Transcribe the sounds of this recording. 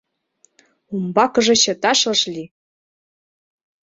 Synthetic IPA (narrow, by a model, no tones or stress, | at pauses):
umbɑkɤ̆ʐɤ̆ɕĕt̪ɑʃlɤ̆ʃlʲi